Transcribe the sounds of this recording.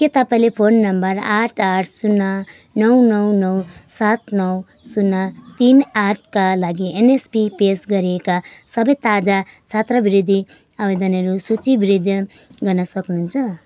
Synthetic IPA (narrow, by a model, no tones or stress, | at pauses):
ket̪ʌpaĩlepʰonːʌmbʌraʈʰaʈʰsunːa | nʌwnʌwnʌwsat̪nʌw | sunːat̪inaʈ̚ʰkalaɡienespipesɡʌɾiekasʌbʌjt̪ad͡zasʰat̪rʌbiɾid̪ʱːi | abed̪ʌnʌɾusut͡sibiɾid̪ʱjʌ | ɡʌrnʌsʌknuɦunt͡sʰʌ